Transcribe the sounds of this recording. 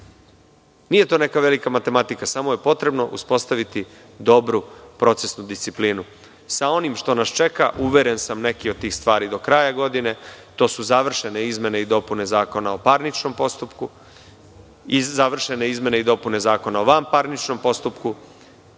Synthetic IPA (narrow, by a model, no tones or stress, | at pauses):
nije̞t̪o̞ːne̞kaʋe̞likamat̪e̞mat̪ikasamoje̞po̞t̪ɾe̞bno̞ʔṵspo̞st̪aʋit̪i | d̪o̞bɾupɾo̞t̪se̞snud̪ist̪siplinu | sao̞nimʃt̪o̞nast͡ʃe̞kaʔuʋe̞ɾe̞nsamne̞kiod̪̚t̪ːiːxst̪ʋaːɾid̪o̞kɾajaɡo̞d̪ine̞t̪o̞ːsuzaʋr̩ʃe̞neizme̞ne̞id̪o̞pune̞zaːko̞nao̞paɾnit͡ʃno̞mpo̞st̪upku | izaʋr̩ʃe̞ne̞izme̞ne̞id̪o̞pune̞zaːko̞naoʋampaɾnit͡ʃno̞mpo̞st̪upku